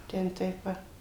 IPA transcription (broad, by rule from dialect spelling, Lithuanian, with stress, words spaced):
ˈtʲɛn ˈtɐɪp ˈʋɐ